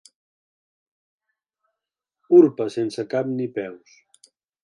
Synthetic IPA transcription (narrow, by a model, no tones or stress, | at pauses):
uɾpəsensəkapnipɛws